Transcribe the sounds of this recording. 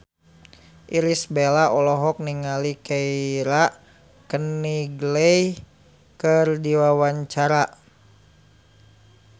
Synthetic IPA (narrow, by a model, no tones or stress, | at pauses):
ʔiɾisbelaʔɔlɔɦɔk̚niŋalikɛiɾaʔ | kəniɡələj | kərdiwawaɲt͡ʃaɾa